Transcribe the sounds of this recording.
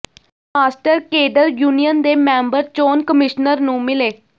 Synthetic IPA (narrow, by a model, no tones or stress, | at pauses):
aːsʈəɾkeːɖəɾjuːnijənd̪eːmɛ̃ːmbəɾt͡ʃoːnkəmɪʃnəɾnũːmɪleː